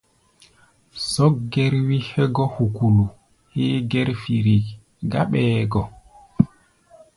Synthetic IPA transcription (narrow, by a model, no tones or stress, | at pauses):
sɔɡɛɾwihɛɡɔhukulu | hɛːɡɛɾfiɾi | ɡaɓɛːɡɔ